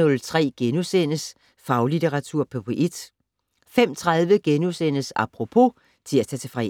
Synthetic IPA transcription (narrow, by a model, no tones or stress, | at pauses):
ɔ̽lt͡sʰʁɛ̰ːɡ̥enusen̰əs | fɑ̈ʊlit͡sʰeʁɑ̈t͡sʰuɐ̰pʰɒpʰʔed̥ | fem̰t͡sʰʁaðˠʋəɡ̥enusen̰əsɑ̈pʰʁo̝pʰo̝ | t͡sʰe̝læt͡sʰɛːt͡sʰe̝fʁɛ̰